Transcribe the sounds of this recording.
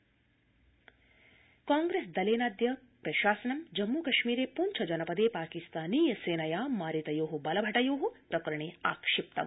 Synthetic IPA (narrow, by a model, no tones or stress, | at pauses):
kaːŋɡɾeːsd̪ɐleːnaːd̪jɐ | pɾɐʃaːsɐnɐmd͡ʒɐmːukɐʃmiːɾeːpuːnt͡ʃʰɐd͡ʒɐnɐpɐd̪eːpaːkist̪aːniːjɐseːnɐjaːmaːɾit̪ɐjoːɦubɐlɐbʱɐʈɐjoːɦupɾɐkɾɐɳ̃eːa̰ːkʂɪp̚t̪ɐ̰ʋ